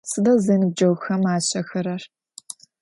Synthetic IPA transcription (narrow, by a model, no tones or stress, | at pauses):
sɨdɐzeːnɨb̚d͡ʒɐwxɐmaːɕɐxɐɾɐr